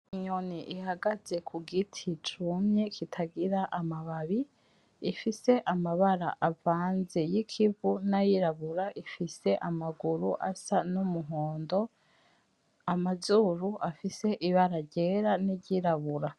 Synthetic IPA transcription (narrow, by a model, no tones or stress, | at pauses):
iɲo̞niʔihaɡaze̞kʰuɡitʰit͡ʃumɲekʰitʰaɡiɾaʔamaβaβiː | fise̞ʔamaβaɾa̰ʔavaːnze̞jikʰivunajiɾaβuɾaʔifise̞ʔamaɡuɾuʔa̰sanumuɦoːndo̞ | amazuɾuʔafise̞ʔiβaɾaɾɟe̞ːɾaniɾɟiɾaβuɾa